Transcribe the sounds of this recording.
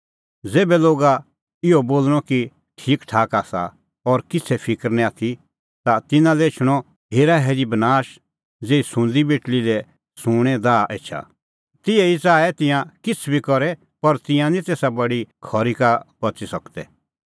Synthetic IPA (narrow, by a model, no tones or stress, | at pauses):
d͡zeːbɛloːɡa | ɪoboːlɽ̃ɔki | ʈʰiːkʈʰaːkaːsa̰ | ɔːɾkɪt͡sʰɛpʰɪkəɾnɛaːt̪ʰi | t̪at̪ɪnãlɛɪt͡ʃʰɽ̃ɔ | ɦeːɾaɦɛːɾibɐnaːʃ | d͡zeːisʊ̃nd̪ibeːʈlilɛ | sʊ̃ːɽ̃ɛd̪aːʔeːt͡ʃʰa̰ | t̪ɪɛit͡saːɛt̪ɪ̃jãkɪt͡sʰbʱikɔɾɛ | pɐɾt̪ɪ̃jãnit̪eːsabɐɽikʰɔɾikabɐt͡sisɐkt̪ɛ̰